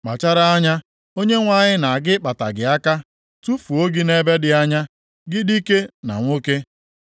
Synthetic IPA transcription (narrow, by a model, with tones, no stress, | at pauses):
k͡pa̰˨t͡ʃa˦ɾa˦a˦ɲa˦ | o˦ɲe˦ŋʷa˦˨ɲɪ˦na˨ɡɪ˦k͡pa˨ta̰˨ɡɪ˨a˦ka˦ | tu˦fu˨o˦ɡi˦ne˦be˦dɪ˨a˦ɲa˦ | ɡɪ˦di˦ke˦na̰˨ŋʷo˦ke˦